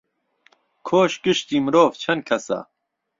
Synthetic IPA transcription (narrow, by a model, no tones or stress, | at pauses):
kʰoːʃɡɨʃt̪iːmɾoːvt͡ʃʰɐn̚kʰɐsa̰